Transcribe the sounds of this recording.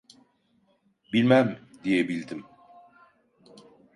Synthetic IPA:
bilʲmæmd̪ijebilʲd̪im

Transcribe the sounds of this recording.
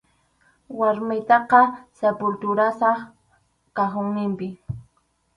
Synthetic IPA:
waɾmɪjt̪ɑqɑsepʊlt̪ʊɾasɑχ | kaxʊŋnɪmpɪ

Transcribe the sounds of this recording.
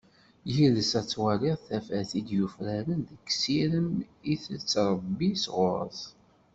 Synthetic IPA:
jiləsæt͡sːwaliʁθæfæθid̪jufɾæɾənðəkːsiɾəmiθət͡sːɾˤəbːisʁʊɾˤə̰θ

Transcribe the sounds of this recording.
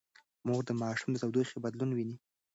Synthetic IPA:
moɣd̪əmɑʃumd̪əzawd̪ojxebad̪lunwini

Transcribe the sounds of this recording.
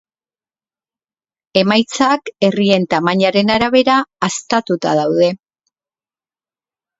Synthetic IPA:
e̞majt͡sake̞rie̞nt̪amaɲaɾe̞naɾaβe̞ɾaːst̪at̪ut̪a̰ðawðe̞

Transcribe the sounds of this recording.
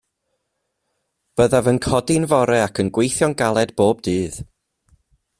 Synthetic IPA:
b̥əðavənkʰɔdɪnvɔɾɛakʰənɡwejθjɔnɡalˠɛdb̥oːb̚dɨːð

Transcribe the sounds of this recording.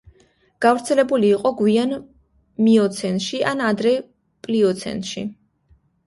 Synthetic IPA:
ɡ̥avɾt̪sʰɛlɛbuliːqʼɔɡwian | miɔt̪sʰɛnt̪ʃiʔanad̪ɾɛ | pʼliɔt̪sʰɛ̰nʃḭ

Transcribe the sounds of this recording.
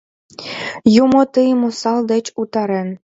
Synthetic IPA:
jumŏt̪ɯjmosɑld̪ĕt͡ɕut̪ɑɾĕn

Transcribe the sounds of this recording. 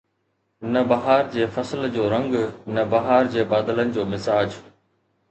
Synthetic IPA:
nɐbɐɦaːɾd͡ʑeːfɐsəld͡ʑoːɾɐ̃ŋɡnɐbɐɦaːɾd͡ʑeːɓaːd̪ələnɪ̆d͡ʑoːmɪsaːd͡ʑ

